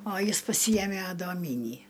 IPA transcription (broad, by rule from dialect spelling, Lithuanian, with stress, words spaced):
oː ˈjɪs pɐˈsʲiːjɛmʲɛ ɐdoːˈmʲiːnʲiː